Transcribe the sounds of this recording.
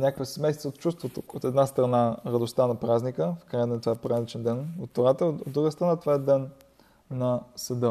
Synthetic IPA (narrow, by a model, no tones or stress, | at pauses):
nʲakəkvəsɛmɛjst̪əot̪̚t͡ʃust̪vot̪oot̪ɛd̪nast̪ɾɐnaɾɐd̪ʊst̪anɐpɾaznikəfkɾajəd̪ɛnt̪ovaɛpɾalit͡ʃɛnd̪ɛnot̪̚t̪oɾat̪əod̪ːɾuɡəst̪ɾɐnat̪ovaɛd̪ɛnː | ɐsɐd̪ə